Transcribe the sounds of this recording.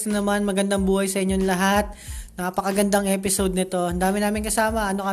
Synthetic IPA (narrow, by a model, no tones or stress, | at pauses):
t̪onɐmanmɐɡɐnd̪aŋbuːhɐjsɐʔɪɲːoŋlɐɦat̪̚nɐpɐkɐɡɐnd̪aŋʔɛːpɪsod̪̚nɪt̪o̞ʔɐnd̪aːmɪnaːmɪnkɐsaːmɐʔɐnokɐ